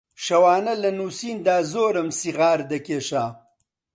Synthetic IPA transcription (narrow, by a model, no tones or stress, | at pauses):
ʃɐwaːnɐlɐnuːsiːnd̪aːzoːɾɐmsiɣaːɾd̪ɐkeːʃaː